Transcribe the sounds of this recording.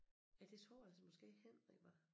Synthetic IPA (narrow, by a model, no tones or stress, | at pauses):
æd̥e̝sʰɒ̰æl̰səmɒ̽sɡ̥e̝̰ːhen̰ɐʋɑ